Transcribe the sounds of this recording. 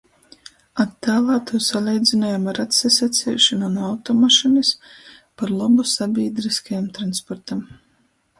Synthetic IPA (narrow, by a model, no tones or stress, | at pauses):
at̪ːaːlaːt̪uːsalˠiːjd̪zinajamaɾat̪sesat̪sʲɛ̰ːʃanunawt̪ɔmaʃinis | paɾlˠɔbusabʲiːɛd̪ɾiskajamt̪ɾanspɔɾt̪am